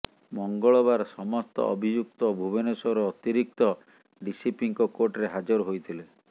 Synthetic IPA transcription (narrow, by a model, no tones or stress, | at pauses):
mɔŋɡɔɭɔβaɾsɔmɔst̪ɔ̰ʔɔ̰bʱid͡ʒuk̚t̪ɔbʱubenesɔɾɔːt̪iɾik̚t̪ɔ | ɖisipiŋkɔkoɾʈɾeɦad͡ʒɔɾɦojt̪ʰile